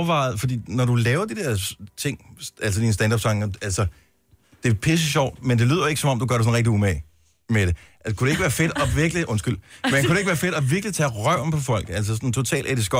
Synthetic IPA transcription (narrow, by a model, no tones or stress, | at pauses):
ʋɑ̈ɪð̩ˠfɒ̽d̥ḭːnɒdulɛːʊɐd̥id̥eɐ̰t͡sʰe̝ŋ̰ʔæls̬əd̥iːnəsd̥ænd̥ɑb̥sɑ̈ŋælsə | d̥e̝pʰes̬əɕɒʊ̰dmend̥e̝ly̰ːð̞̰ˠjoe̝ɡ̥əsɒ̽mɒ̽md̥uɡ̥ɶɐɾes̬ɔn̩ʁeɡ̥̚iumɛɪ | meɾ̥e̝ækʰuɾee̝ɡ̥ʋæːɐfe̝d̥ɒ̽ʋiɐɡ̥liʔɔ̽nsɡ̥yl̰menkʰuɾeɡ̥əʋæːɐfe̝ɾ̥ɒʋiɐɡ̥lit͡sʰɛʁɶʊ̰mpʰɒ̽fɒ̽l̰ɡ̥ˠæl̰səs̬ɒnt͡sʰo̝t͡sʰɛ̰ːlʔæd̥isɡ̥ɒ